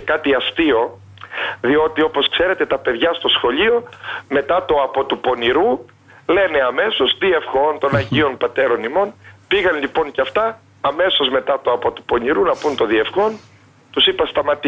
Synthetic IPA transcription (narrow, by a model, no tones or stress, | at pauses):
kɐt̪iɐst̪io̞ | ðio̞t̪io̞po̞skse̞ɾe̞t̪e̞t̪ɐpe̞ðʝɐst̪o̞sxo̞ʎio̞me̞t̪ɐt̪o̞ɐpo̞t̪upo̞niɾu | le̞ne̞ɐme̞so̞sðie̞fxo̞nt̪o̞nɐɲʝionpɐt̪e̞ɾo̞nimo̞npiɣɐnʎipo̞ɲcɐft̪ɐː | me̞so̞zme̞t̪ɐt̪o̞ɐpo̞t̪u̥po̞niɾunɐpunt̪oðie̞fxo̞n | t̪usipɐst̪ɐmɐt̪i